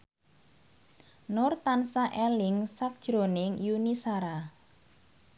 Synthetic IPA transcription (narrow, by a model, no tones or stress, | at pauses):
nʊrt̪ansaʔɛlɪŋsak̚d̥ʒ̥ɾonɪŋjunisaɾa